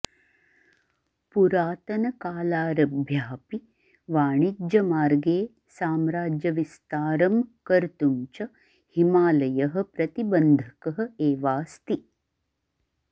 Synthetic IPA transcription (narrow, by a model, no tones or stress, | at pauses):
puɾaːt̪ɐnɐkaːlaːɾɐbʱjaːpi | ʋaːɳid͡ʒjɐmaːɾɡeː | saːmɾaːd͡ʒjɐʋist̪aːɾɐmkɐɾt̪umt͡ʃɐ | himaːlɐjɐɦɐ̆pɾɐt̪ibɐnd̪ʱɐkɐɦɐ̆eːʋaːst̪i